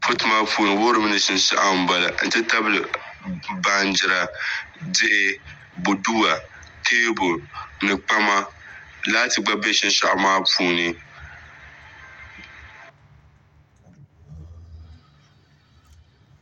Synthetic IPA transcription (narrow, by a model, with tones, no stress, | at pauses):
pʰʊ˦tɨ˦maː˦pʰuː˦nɨ˨wo˦ɾɨ˦mɨ˦nɨ˦ʃɪ˦n˦ʃa̰˦ʔa˦m̩˦ba˨la̰˨n̩˨tɨ˦ta˦bɨ˨lɨ˨ | ba˨nd͡ʒɪ˨ɾa˨dɪ˦ʔɪ˦ | bʊ˨du˦a˨ | tʰeː˦bʊ˨nɨ˨k͡pa˦ma˦laː˦tɨ˨ɡ͡ba˦be˦ʃɪ˦n˦ʃa̰˨ʔa˨maː˦pʰuː˦nɨ˨